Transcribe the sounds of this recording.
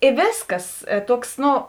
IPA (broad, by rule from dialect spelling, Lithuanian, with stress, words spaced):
ɪ ˈʋʲeːsˌkɐs eː ˈtuɔks ˈnoː